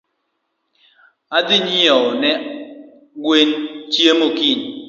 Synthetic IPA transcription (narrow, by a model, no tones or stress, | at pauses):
adɪɲiɔnɛ | ɡwent͡ʃjemokin